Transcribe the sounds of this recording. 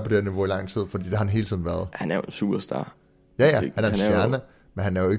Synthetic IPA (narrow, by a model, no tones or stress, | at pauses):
pʰɒ̽d̥eeɐ̰niʋo̝ilɑ̈ŋ̰t͡sʰið̞̰ˠfɒ̽d̥ḭːd̥e̝hɑ̈hænɦe̝ːlt͡sʰið̰ˠnʋæːɐð̞̩ˠhænæɐjonsṵːb̥ɐsd̥ɑ̰̈ː | jæjæhænæɐenfjæɐnə | menɦænæɐjo̝e̝